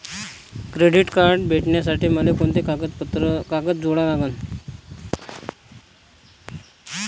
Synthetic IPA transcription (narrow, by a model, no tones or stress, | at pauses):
kɾeɽiʈkaɾɖbʱeʈɳjas̬aʈiːməlekoɳt̪ekaət̪ɾəkakət͡sd͡zoɽalaɡən